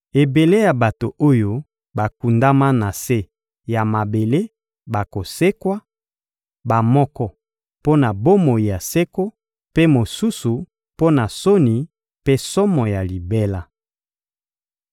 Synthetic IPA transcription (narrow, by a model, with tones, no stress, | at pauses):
e˨be˨le˦ja˨ba˨to˨ʔo˦jo˦ | ba˨ku˨nda˦ma˦na˨se˦ | ja˨ma˨be˨le˦ | ba˨ko˨se˦kwa˦ | ba˨mɔ˦kɔ˦ | po˦na˨bo˦mo˨ji˨ja˨se˦ko˦ | pe˦mo˨su˦su˨ | po˦na˨so˦ni˨ | pe˦sɔ˦mɔ˨ja˨li˨be˦la˦